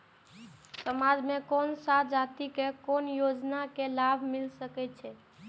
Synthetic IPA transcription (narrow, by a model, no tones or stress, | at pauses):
səmad͡ʒmekonsad͡ʒat̪ikekonjod͡ʒnakelabʱmilsəkɛt̪̚t͡ʃʰɛ